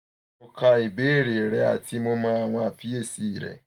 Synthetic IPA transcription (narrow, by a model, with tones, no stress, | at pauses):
ʊ˦ka˦i˨be˦ɾe˨ɾe˦a̰˨ti˦mʊ˦ma˦a˦˨ŋʷa˦a˨fi˦e˦si˦˨ɾḛ˨